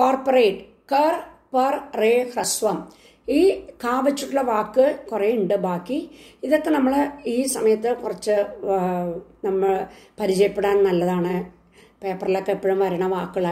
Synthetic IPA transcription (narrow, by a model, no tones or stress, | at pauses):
koːrporejʈɨ | kɐrpɐrreːhrɐsʋɐm | iːkaːʋɐt͡ɕːuʈːuɭːɐʋaːkːɨkureuɳɖɨbaːkːiiðokːenɐmːɐɭiːsɐmɐjɐt̪ːɨkurɐt͡ɕːɨ | nɐmːɐɭpɐɾit͡ɕɐjɐpːeɽaːnnɐlːɐðaːɳɨ | peːpːɐrilokːepːoɻumʋɐɾɐɳɐʋaːkːɐɭa